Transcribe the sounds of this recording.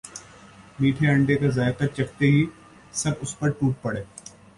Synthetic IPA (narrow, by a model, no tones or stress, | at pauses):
miːʈʰeɐ̃ɳɖekazaːjkɐɾt͡ʃɐkt̪eɦi | sɐbʊspɐɾʈuːʈ̚pɐɽeː